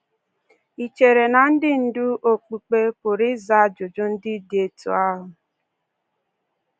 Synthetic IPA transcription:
i˨t͡ʃe˨ɾe˨na˨n̩˦dɪ˦n̩˨du˦ʔo˨k͡pi˨k͡pe˦pʊ˨ɾɪ˦za˦˨d͡ʒo˨d͡ʒo˦n̩˦dɪ˦de˨tṵ˨˦a˦ɦʊ˨

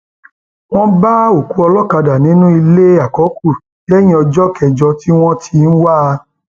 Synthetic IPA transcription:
w̃ɔ̃˦ba˦o˨ku˨˦ɔ˧lɔ˦ka˧da˨nĩ˨˦nũ˦i˧le˦a˨kɔ˨˦ku˦˨ | ɛ˦j̃ĩ˧˦ɔ˧d͡ʒɔ˦kɛ˧˨d͡ʒɔ˧ti˦w̃ɔ̃˦tʰi˧n̩˦wa˦˧

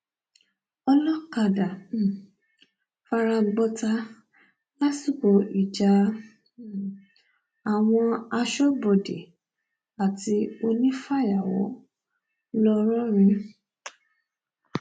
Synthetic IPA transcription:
ɔ˧lɔ˦ka˧˨da˨ | fa˧ɾa˧ɡ͡bɔ˧ta˧ | la˦si˦˨ko˨˦i˦˨d͡ʒa˧˨ | a˨w̃ɔ̃˧a˧ʃɔ˦bɔ˨de˨ | a˨ti˧o˧nĩ˦fa˦˨ja˨wɔ̰˨˦ | lɔ˧ɾ̃ɔ̃˦ɾ̃ĩ˧

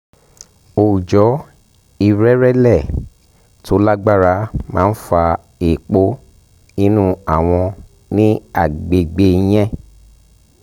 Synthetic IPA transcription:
o˧˨u˨d͡ʒɔ˨˦ | i˦˨ɾɛ˦ɾɛ˦lɛ˦˨ | tʰo˨˧˦la˦ɡ͡ba˦ɾa˨˦mãː˦˧˦n̩˦fa˧ | e˨k͡po˦ | ĩ˦nũ˦a˨w̃ɔ̃˧ | nĩ˦a˦˨ɡ͡be˨ɡ͡be˧˦j̃ɛ̃˦

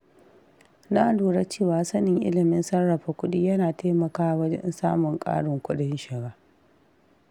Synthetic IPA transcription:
naː˦ʔduː˨ɽa˦t͡ʃeː˦˨waː˦sɐ˦nɪ˨ŋʔɪ̰˦lɪ˨mɪ˦nsɐ˦rːɐ˨ɸa˨kʷʊ˦ɗi˦jɐ˦naː˨taː˦mɐ˨kaː˦wɐ˦d͡ʒɐ̰˦nsaː˦mʊ˨ŋkʼa̰ː˦ɽʊ˨ŋkʷʊ˦ɗɪ˦nʃɪ˨ɡaː˦

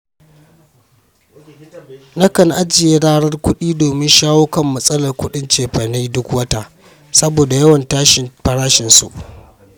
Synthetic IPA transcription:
na˦kɐ˨nʔa˦d͡ʒɪ˨je˦ɽaː˦ɽɐ˦rkʷʊ˦ɗiː˦doː˨mɪ˦nʃaː˦woː˦kɐ˦mːɐ˦sʼɐ˦lɐ˨rkʷʊ˦ɗɪ˦nt͡ʃeː˨ɸɐ˨na˦dʊ˦kwɐ˦ta˦ | sɐ˦boː˨da˨jɐ˦wɐ˨ntaː˦ʃɪ˨nɸɐ˦ɽaː˦ʃɪ˨nsṵ˨ʔ

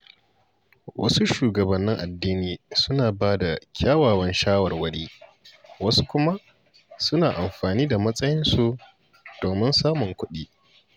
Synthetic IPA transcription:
wʔɐ̰˦su˦ʃuː˨ɡɐ˨bɐ˨nːɪ˦ŋʔa˨dːiː˦niː˨sʊ˦naː˨baː˦da˨kʲʰaː˦waː˨wɐ˦nʃaː˦wɐ˨rwɐ˦ɽiː˦ | wɐ˦su̥˦kʷʊ˦ma˦ʔ | sʊ˦naː˨ʔa˨mɸaː˨niː˦da˨mɐ˦sʼɐ˦jɪ˦nsu˨ | d̥oː˨mɪ˦nsaː˦mʊ˨ŋkʷʊ˦ɗiː˦

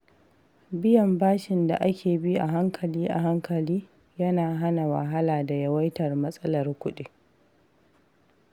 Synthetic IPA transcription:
bɪ˦jɐ˨mbaː˦ʃɪ˨nda̰˨ʔa˦kʲʰeː˨bi˦ʔa˨ɦa˦ŋkʰɐ˨liː˦ʔa˨ɦa˦ŋkʰɐ˨liː˦ | jɐ˦naː˨ɦa˦na˨wa̰˨ɦa˦laː˨da˨jɐ˦wɐ˦jtɐ˨rmɐ˦sʼɐ˦lɐ˨rkʷʊ˦ɗi˦

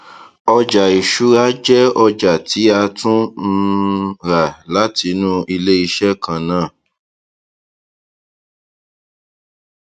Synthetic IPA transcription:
ɔ˧d͡ʒa˨i˨ʃu˨˦ɾa˦d͡ʒɛ˦ɔ˧d͡ʒa˨tʰi˨˦a˧tũ˦n̩˧ɾa˨la˨˦tʰi˧˦nũ˦i˧le˦i˧ʃɛ˦kʰã˨nãː˦˨

